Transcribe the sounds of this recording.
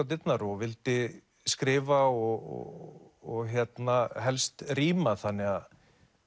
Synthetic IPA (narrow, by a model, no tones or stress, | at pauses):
at̪ɪt̪naɾɔvɪlt̪ɪ | skɾɪːvaɔɣɔ̰ɔɣçjɛt̪naɦɛlst̪riːmaθanːɪɣað